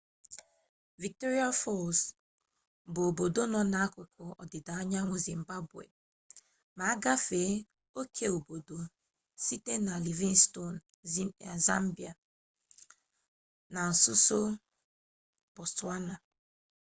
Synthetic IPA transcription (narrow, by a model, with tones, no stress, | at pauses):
vi˨k̚tɔ˦ɾi˦a˦fɔ˦˨s | bʊ˨o˨bo˨do˦nɔ˦na˨a˦kʊ˨kɔ˨ɔ̰˨dɪ˨da˨a˦ɲa˦ŋʷʊ˨zi˨m̩˨ba˦bwḛ˨ | ma˨a˦ɡa˦fe˨˦ | o˦kʰe˦o˨bo˨do˨ | si˦te˦na˨li˨vi˦nsto˦˨n˨ | za˦m˦bi˨a˨ | na˨n̩˨sʊ˦so˦ | b̥ɔ˨sta˦na˨